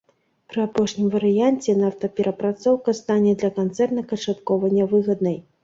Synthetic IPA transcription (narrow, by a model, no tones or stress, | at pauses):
pɾɨapɔʂnʲimvɐɾɨjanʲt͡sʲɛnawt̪ɐpʲɛɾʔɐpɾat̪sɔwkɐst̪anʲɛd̪lʲɐkant̪sɛrt̪nɐkɐt͡ʂat̪kɔvɐnʲːɐvɨɣɐd̪nɐj